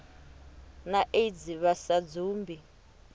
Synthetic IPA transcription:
naʔed͡ziβasad͡zuːmbʱi

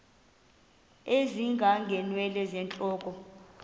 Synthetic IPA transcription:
eziŋɡʱaŋɡʱɛnwɛlɛzɛnt͡ɬʼɔːkʼɔ

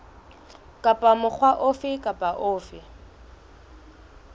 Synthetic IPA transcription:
kʼapʼamʊk͡xʰwaʔʊfɪkʼapʼaʔʊːfɪ

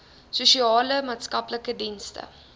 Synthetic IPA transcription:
suʃiɑːləmɑːtskɐpləkədinstə̰

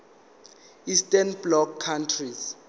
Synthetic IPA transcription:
istɛnblɔkʰːantʰris

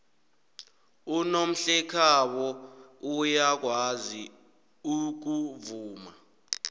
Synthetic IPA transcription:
unom̩ɬɛkʰawɔujak̬wazi | uk̬uvuːma

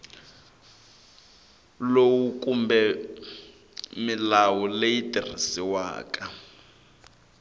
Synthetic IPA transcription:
lowukʼumbɛ | milawulejitir̤isiwa̰ːkʼa

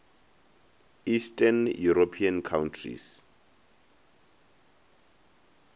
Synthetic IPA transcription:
istʼanjuɾopʰiankʰawntʰrḭs

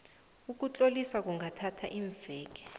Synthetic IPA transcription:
uk̬ut͡ɬʼolisak̬uŋɡʱatʰatʰa̰ʔiːɱvʱɛːk̬ɛ̥

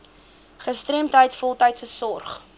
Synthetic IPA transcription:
χəstremtɦəjtfɔlˠtəjtsəsɔrχ

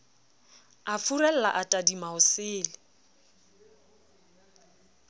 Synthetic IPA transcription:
afurɛl̩la̰ʔatʼadimaʊsɪːlɪ

